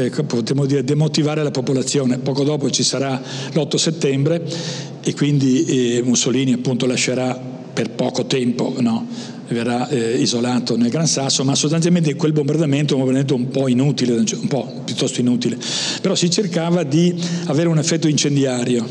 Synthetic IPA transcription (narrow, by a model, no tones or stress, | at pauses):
kpot̪ɾemod̪iːɾed̪emot̪ivaːɾelapopolat̪sːjoːnepɔːkod̪ɔːpot͡ʃisaɾalɔt̪ːoset̪ːɛmbɾe | ekːwind̪imusoliːniapːunt̪olaʃeɾa | perpɔ̰ːkot̪ɛmpo̰nɔ | verːaizolaːt̪onelɡɾansasːomasːost̪anjalment̪eiŋkwelbombard̪ament̪oɛmbombaɾd̪ament̪oumpɔinut̪iled̪ant͡ʃumpɔ | pjut̪ːɔst̪oinuːt̪ilepeɾɔsit͡ʃerkaːvad̪iaveːɾeunefːɛt̪ːoint͡ʃend̪jaːɾjo